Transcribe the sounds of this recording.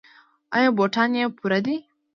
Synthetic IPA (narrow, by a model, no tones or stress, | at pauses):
ɐjõboʈʰaniẽpuɾɐd̪i